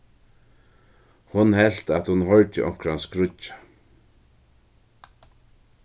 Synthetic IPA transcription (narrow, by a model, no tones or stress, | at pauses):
hʊnhɛl̥t̪at̪hʊnɦɔɹt̪ɪʔɔ̰ŋ̥kɾanskɾʊt͡ʃːḁ